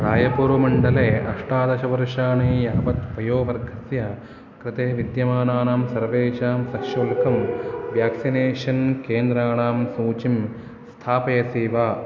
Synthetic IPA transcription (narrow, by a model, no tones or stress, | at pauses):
ɾaːjɐpuɾʋɐmɐɳɖɐleːʔɐʂʈaːd̪ɐʃɐʋɐɾʂaːɳiːjɐɦɐpɐt̪pɐjoːʋɐɾɡʱɐsjɐ | kɾɪt̪eːʋid̪jɐmaːnaːnaːmsɐɾʋeːt͡ʃaːmsɐkʂɐlkʰɐmʋjaːksineːʃɐnkeːnd̪ɾaːɳaːmsuːt͡ʃim | st̪ʰaːpɐjɐsiːʋaː